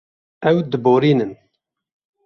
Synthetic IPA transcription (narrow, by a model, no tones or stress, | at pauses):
ɛwd̪ɨboːɾiːnɨn